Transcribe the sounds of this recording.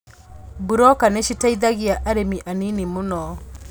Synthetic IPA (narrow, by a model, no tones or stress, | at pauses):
buɾɔkaneʃitaiðaɣiaʔaɾemiʔaninimonɔ